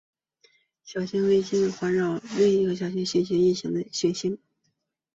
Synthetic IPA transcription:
ɕjɑ˨˩ʊɕi˥nwe˥ɪt͡ɕi˥n˩xwa˧˥nɻɑ˨˩ʊle˥˩i˧˥ɡə˧˩ɕjɑ˨˩ʊɕ̬i˥nɕi˥˩nɕi˥ŋi˥˩ɕi˧˥ŋd̪ə˧ɕɛ˥˩nɕi˥ŋ

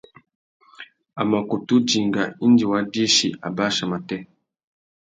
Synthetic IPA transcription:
a˨ma˨ku˨tu˦d͡ʒi˨ŋɡa˨i˦nd͡ʒi˨wa˨di˦ʃi˨ʔa̰˨ba˦ʃa˨ma˨tɛ˦

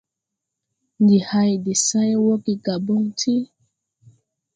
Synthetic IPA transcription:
ndi˨ha˦i˨di˨sa˦jwɔ˦ki˨ka˨bɔ˦ŋtʰi˦

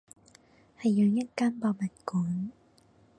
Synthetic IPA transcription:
hɐ˨jːœː˨˧ŋjɐ˥t̚kaː˥npɔː˧mɐ˨˩t̚kuː˨˦n

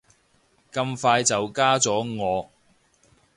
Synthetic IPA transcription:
kɐ˧mfaː˧jt͡sɐ˨wkaː˥t͡sɔː˨˥ŋɔː˨˧

